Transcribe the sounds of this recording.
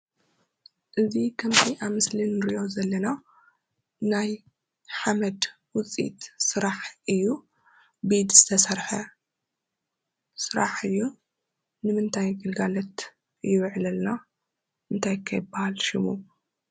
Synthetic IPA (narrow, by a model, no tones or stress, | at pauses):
ʔɨzikʰɐmt̪ʰiʔamɨslinːɨɾiʔo̞zɐlːɐna | naj | ħamɐd̪ | wʊt͡sʼḭt̪sɨɾaħʔɨjːu | bed̪z̥ɨt̪ʰɐsɐɾħɐ | sɨɾaħɨjːu | nɨmɨnt̪ʰajɡɨlɡalɐt̪ | ɨjːuwʕlɐlna | ɨnt̪ʰajkʰɐjbahalʃɪmu